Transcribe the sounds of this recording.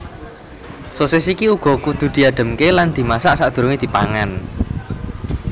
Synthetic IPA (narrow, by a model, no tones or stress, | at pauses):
sosesikiuɡ̥ɔ̤kud̪̥ṳd̪̥i̤aɖ̥ə̤mkeland̪̥i̤masaʔsaʔd̪̥ṳɾoŋed̪̥i̤pa̰ŋan